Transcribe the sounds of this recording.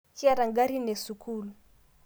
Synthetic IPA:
ki˦a˦ɾa˨ŋɡa˦ɾi˦nɛ˨su˨kʰu˦lu˨

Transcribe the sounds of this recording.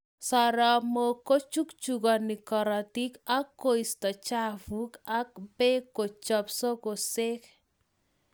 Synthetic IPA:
sɔɾɔmoko˦t͡ʃu˦kt͡ʃuɡɔ˨nikɔ˨ɾɔti˦ka˦kːo˦ist̪ɔ˨t͡ʃa˦vuka˦kbe˦ko˨t͡ʃɔpsɔ˦kose˦k

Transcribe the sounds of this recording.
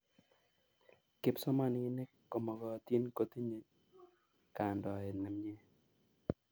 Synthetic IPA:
kɪ˦psɔ˦ma˦n˨ɪ˦nɪ˦ | ko˨mɔ˨ɡɔ˨t̪je˦nko˨t̪i˦ɲe˦ | ka˨ndɔ˨e˨nɛ˨m˦ɲe˦

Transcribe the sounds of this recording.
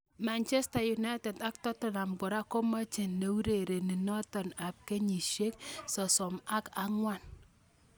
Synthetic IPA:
ma˨nt͡ʃɛ˦sta˨ju˨na˦jtɛ˨da˦k̚tɔ˦tɔ˨na˨mɡʊ˨ɾa˦ko˦ma˦t͡ʃe˨nne˨wu˦ɾe˨ɾe˨ni˨nɔ˦tɔ˨na˨p̚ke˦ɲi˨ʃje˦ksɔ˨sɔ˨ma˦ka˦ŋwa˦˨n

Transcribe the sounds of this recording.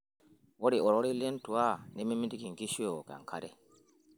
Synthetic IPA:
wo˦ɾi˨o˨ɾo˦ɾi˦le˦n˦tu˨wa˦˨ne˦mi˦mi˦di˦ɡi˨ŋ˨ɡi˦ʃi˦o˨ka̰˨ŋ˨kʰa˦ɾɛ˦

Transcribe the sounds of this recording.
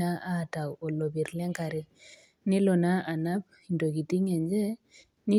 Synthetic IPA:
a˦a˦˨ta˨wo˨lɔ˨bi˨ɾlɛ˦ŋka˨ɾe˦ | nɪ˦lɔ˨na˦ʔa˨na˦b̚ | i˨ndo˨ki˨ti˦ŋɛ˨nd͡ʒɛ˦ | nɪ˦

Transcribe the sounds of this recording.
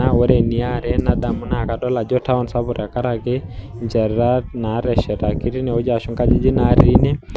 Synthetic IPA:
a˦wɛ˦ɾɛ˨ni˦a˦˨ɾɛ˦na˨da˨mu˦na˨ka˨dɔ˦la˨d͡ʒɔ˦ta˦ɔ˦nsa˦βu˨ɾa˨ka˦ɾa˨kɛ˦ɲd͡ʒɛ˨ɾɾa˦na˨˦ɾɛ˨ʃɛ˨ɾa˨ki˦ɾi˦nɛ˨ɔ˦d͡ʒa˨ʃu˦ŋka˦d͡ʒi˦d͡ʒi˦naɾi˦nɛ˦

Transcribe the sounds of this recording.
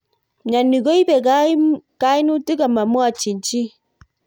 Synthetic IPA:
ɲa˨nːi˨ɡo˦i˦bɛ˨ɡa˦ka˦i˦nu˦ti˦ɡa˨ma˨mwa˨t͡ʃi˨n˨t͡ʃi˦

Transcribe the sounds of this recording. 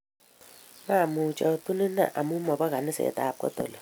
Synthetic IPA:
ma˦˨mu˨t͡ʃɔ˨tu˦ni˦na̰˦˨ʔa˨mu˦mɔ˨ba˦ka˨nɪ˦sɛ̰˨ta˨p̚kɔ̰˦to̰˨lo˨

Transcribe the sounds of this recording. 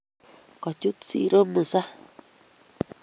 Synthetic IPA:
ko˨t͡ʃu˦t͡sḭ˧˦˧ɾo˦mã˨sa˦

